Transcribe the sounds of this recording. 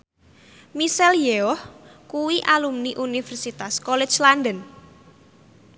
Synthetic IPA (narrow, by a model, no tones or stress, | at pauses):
misɛljeɔhkuwiʔalumniʔunifɛrsit̪askɔlɛ̥t͡ʃland̪ən